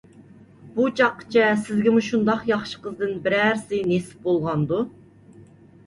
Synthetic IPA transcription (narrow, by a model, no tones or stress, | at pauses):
but͡ʃʰɑqːə̥t͡ʃʰɛsɪzɡʲɪmuʃund̪ɑqjɑχʃə̥qəzd̪ɨnbɪɾæɾsɪnesɪ̥p̚bolˠʁɑnd̪u